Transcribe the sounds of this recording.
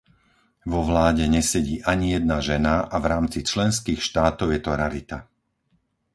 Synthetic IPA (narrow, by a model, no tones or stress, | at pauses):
ʋɔʋlaːɟɛɲɛsɛɟiːʔaɲijɛd̪̚naʒɛnaʔavɾaːmt͡sit͡ʃlɛns̬kiːxʃt̪aːt̪ɔʊjɛt̪ɔɾaɾit̪a